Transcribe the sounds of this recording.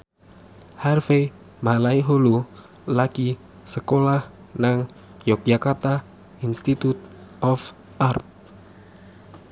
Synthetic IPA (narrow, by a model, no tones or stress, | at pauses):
harfe | malaiɦolu | laki | səkolah | naŋ | jɔk̚d͡ʒakart̪a | inst̪it̪ut̪̚ʔɔf | ʔart̪̚